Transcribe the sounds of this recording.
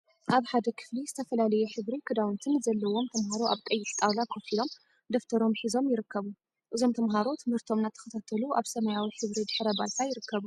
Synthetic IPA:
ʔaβħad̪ɐkʰɨ̥flizɨt̪ʰɐfɐlalɐjuħɨβɾikʰɨd̪awɨnt̪ʰɨnzɐlːɐwo̞mt̪ʰɐmɦaɾoʔa̰βk̪ʼɐjːɪħʼt̪ʼawlakʰofilo̞m | d̪oft̪ʰɐɾo̞mħizo̞mjɪɾɨkʰːɐβu | ʔɨzo̞mt̪ʰɐmɦaɾo̞t̪ʰɨmhɨɾt̪ʰo̞mnat̪ʰːɐ̥xɐt̪ʰat̪ʰɐluʔaβsɐmɐjawiħɨβɾid̪ɨħɾɐbalt̪ʰajɪɾɨkːɐβu

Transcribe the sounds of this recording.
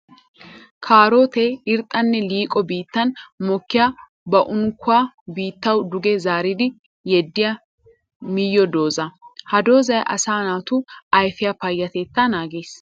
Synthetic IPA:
kʰaːɾo̞ːt̪eɪɾt̪ʼːɐnːɛliːkʼɔbiːt̪ːɐnmɔkːɪja | bɐʔʊŋkːʊaː | biːt̪ːɐwd̪ʊɡɛzaːɾɪd̪ɪ | jɛd̪ːɪjɐ | mɪjːɔd̪o̞ːzɐhɐd̪o̞ːzɐjʔɐ̰saːnaːt̪ʊɐjfɪjɐpɐjːɐt̪eːt̪ːɐnaːɡe̞ːs

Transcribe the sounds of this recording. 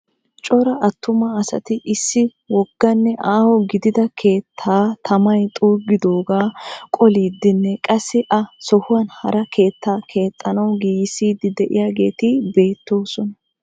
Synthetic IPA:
t͡ʃʼɔɾɐʔɐt̪ːʊmɐːsɐ̰t̪ɪʔɪsːɪ | wɔɡ̥ːɐnːɛʔaːhɔɡɪd̪ɪd̪ɐkʰe̞ːt̪ʰːaːt̪ʰɐmɐjt̪ʼuːɡɪd̪o̞ːɡaːkʼɔliːd̪ːɪnːɛkʼɐsːɪʔɐsɔhʊwɐnhɐɾɐkʰe̞ːt̪ːaːkʰe̞ːt̪ʼːɐnɐwɡiːjɪsiːd̪ɪd̪ɛʔɪ̰jaːɡe̞ːt̪ɪbe̞ːt̪ːo̞ːsɔnɐ

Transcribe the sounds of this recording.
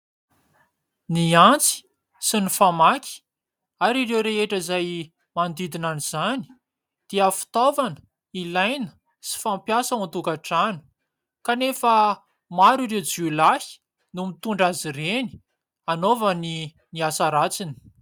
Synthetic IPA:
niant͡si̥ | sinifamakʲʰi̥ | aɾiɾewɾeeʈ͡ʂəizaj | mand̪id̪inaniz̥ani̥ | d̪̥eəfi̥t̪ovanə̥ | ilajnə̥ | si̥fampjasaant̪ukaʈ͡ʂanu̥ | kanefə | maɾiɾewd͡ʒulahi̥ | numit̪uɳɖ͡ʐazireni̥ | anovəni | niasaɾat͡sini̥

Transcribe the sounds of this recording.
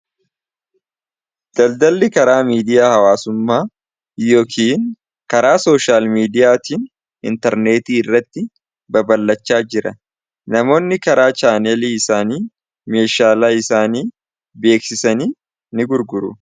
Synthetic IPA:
d̪̥ɐld̪ɐlːɪkɐɾaːmiːd̪ɪjaːhɐwaːsʊmːaː | joːkʰiːn | kɐɾaːso̞ːʃaːlmiːd̪ɪjaːt̪iːn | ɪ̰nt̪ɛɾne̞ːt̪iːɪrːɐt̪ːɪ | bɐbɐlːɐt͡ʃːaːd͡ʒɪɾɐ | nɐmo̞ːnːɪkɐɾaːt͡ʃaːnɛliːɪsaːniː | me̞ːʃaːlaːɪsaːniː | be̞ːksɪsɐniː | nɪɡʊɾɡʊɾʊ̰

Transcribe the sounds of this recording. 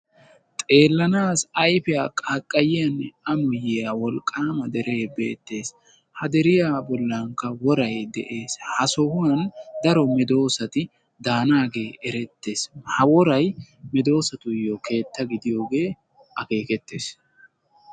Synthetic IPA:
t̪ʼe̞ːlːɐnaːsɐjfɪjaːkʼakʼːɐjɪjɐnːɛɐmʊjɪjɐwɔlkʼːaːmɐd̪ɛɾe̞ːbe̞̰ːt̪ːe̞ːs | hɐd̪ɛɾɪjaːbɔlːɐŋkːɐwɔɾɐjd̪ɛ̰ʔe̞ːshɐsɔhʊnɐnd̪ɐɾɔmɛd̪o̞ːsɐt̪ɪ | d̪aːnaːɡe̞ːʔɛɾɛt̪ːe̞ːshɐwɔɾɐjmɛd̪o̞ːsɐt̪ʊjːɔkʰe̞ːt̪ːɐɡɪd̪ɪjo̞ːɡe̞ː | ʔɐke̞ːkɛt̪ːe̞ːs

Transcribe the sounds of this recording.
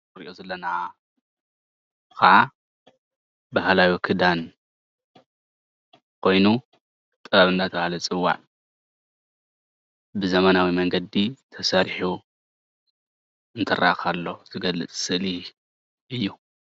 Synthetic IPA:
ɾḭʔozɐlːɐnaa | kʰɐʕa | bahlajokʰɨd̪an | kʰo̞jnu | t̪ʼɨɾɐɾɨnd̪at̪ʰɐβalɐt͡sʼɨwːa̰ʕ | bɨzɐmɐnawimɐŋɡɐd̪it̪ʰɐsɐɾħu | ɨnt̪ʰɨra̰xalːo̞t̪ʰɨɡɐlːɨ̰t͡sʼsɨʔli | ʔɨjːu

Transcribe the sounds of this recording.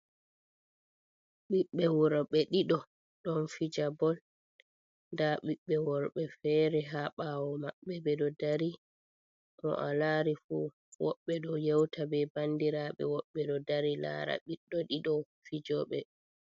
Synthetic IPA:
ɓiɓːɛwɔɾɓɛɗiɗɔ | ɗɔnfid͡ʒabɔl | ndaɓiɓːɛwɔɾɓɛfɛːɾɛɦaɓawɔmaɓːɛbɛɗɔdaɾi | ʔɔ̰ʔalaɾifṵ | wɔ̰ɓːɛɗɔjɛwtʰabɛbandiɾaɓɛ̰wɔɓːɛɗɔdaɾila̰ɾa̰ɓiɗːɔɗiɗɔ | fid͡ʒɔɓɛ

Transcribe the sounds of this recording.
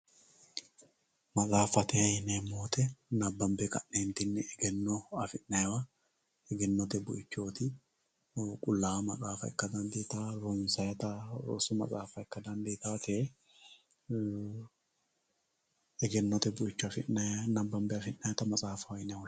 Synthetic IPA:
mɐt͡sʼaːfɐt̪ɛɐjɪnemoːt̪ɛnɐbːɐmbɛkɐ̰nːeːnt̪ɪnːɪɛɡɛnːoɐfɪʔnɐjwɐ | ɛɡɛnːɔt̪ɛbʊ̰ʔɪt͡ʃːoːt̪ɪ | kʼʊlːaːmɐsʼaːfɐɛkːɐd̪ɐnd̪et̪aːɾɔnsɐjɐt̪ɐɾo̰sʊmɐ̰t͡sʼaːfɐɛkːɐd̪ɐnd̪eːt̪aːt̪ʰɛe | ɛɡɛnːɔt̪ɛbʊʔɪt͡ʃːʊɐfɪnːɐnɐbːɐmbɛɐfɪnːɐjɐt̪ɐmɐt͡sʼaːfɐwɐjnɛ

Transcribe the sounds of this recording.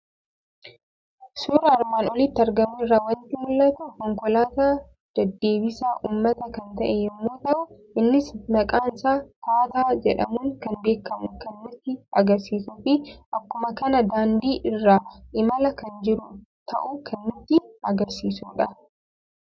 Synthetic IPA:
suːɾɐɐɾmaːnɔlɪt̪ːɪɐɾɡɐmʊɪrːaːwɐnt̪ɪmʊlːɐt̪ɐkɔŋkɔlaːt̪aː | d̪̥ɐd̪ːe̞ːbɪsaːʔuːmːɐt̪ɐkɐnt̪ɐʔɛjɛmːoːt̪ɐʔʊʔɪnːɪsnɐkʼaːnsaːkaːt̪aːd͡ʒɛᶑɐ̰muːŋkɐnbe̞ːkːɐmʊkɐnːʊt̪ːɪɐɡɐɾsiːsʊfɪʔɐkːʊmɐkɐnɐd̪aːnd̪iːʔɪrːaːʔɪmɐlɐkɐnd͡ʒɪɾʊ | t̪ɐ̰ʔʊkʰɐnːʊt̪ːɪʔɐɡɐɾsiːsuːᶑɐ

